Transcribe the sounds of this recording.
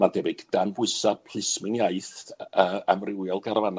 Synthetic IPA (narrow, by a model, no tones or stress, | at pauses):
mandɛbɪɡd̥anbʊɨsapʰl̥ˠɪsmɪnjaɨθəamrɪwjɔlˠɡaɾvan